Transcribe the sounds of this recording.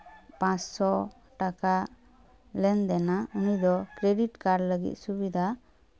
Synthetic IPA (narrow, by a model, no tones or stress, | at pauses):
pãssɔ | ʈaka | lɛnd̪ɛnaunid̪ɔkɾeɖiʈkaɾləɡḭt̪̚subid̪ʱa